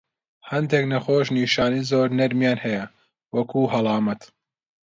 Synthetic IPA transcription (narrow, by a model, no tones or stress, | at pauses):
hɐnd̪eknɐxoːʃ̬niːʃaːniːzoːɾnɐɾmjaːnhɛjɐ | wɐkʰuːɦɐlˠɑːmɐt̪